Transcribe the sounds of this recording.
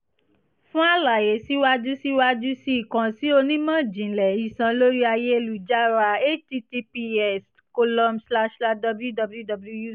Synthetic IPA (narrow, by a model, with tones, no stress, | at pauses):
fũ˦a˦˨la˨je˨si˦wa˦d͡ʒu˦si˦wa˦d͡ʒu˦si˦i˦˨kã˨si˦o˧nĩ˦mã˦˨d͡ʒĩ˨lɛ˨i˨sã˧lo˦ɾi˦a˧je˦e˧lu˨d͡ʒa˦ɾa˧e˦ti˧ti˧pi˧ɛ˦s | ko˧lɔ̃˧msla˦ʃla˦dɔ˧bu˦lju˦dɔ˧bu˦ju˦dɔ˧bu˦u˦ju˦